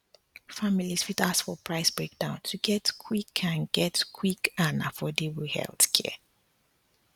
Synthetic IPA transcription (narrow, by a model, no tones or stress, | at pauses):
familisfitasfɔpʰɹaɪsb̥ɹek̚dãʊ̃ntʰuɡɛtkʰwikʰãnɡɛtkʰwikãna̰fɔdewihɛ̰lˠθkʰɛ̰